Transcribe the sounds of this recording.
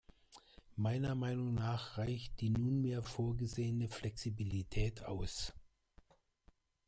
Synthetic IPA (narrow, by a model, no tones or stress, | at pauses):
maɪnɐmaɪnʊŋnaːχʁaɪçt̚d̥iːnuːnmeːɐfoːɐɡəzeːənəflʔɛksibilitʰɛːtʰa̰ʊs